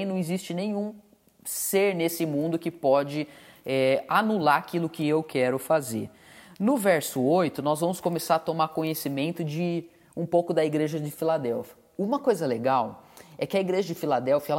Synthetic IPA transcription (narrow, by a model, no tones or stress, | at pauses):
nɐ̃w̃izist͡ʃɪnẽj̃ũ | seɾnesɪmũnd̪ʊkɪpɔd͡ʒɪɛanulaɾakilʊkɪewkʰɛɾʊfazḛɾ | nʊvɛɾsʊojt̪ʊnɔzvɐ̃mʊskõmesaɾɐt̪omaɾkõɲesimẽnt̪ʊd͡ʒɪ | ũpowkʊd̪ɐiɡɾeʒɐd͡ʒɪfilad̪ɛwfiɐ | ũmɐkojzɐleɡawɛkɪɐiɡɾeʒɐd͡ʒɪfilad̪ɛwfiɐɛ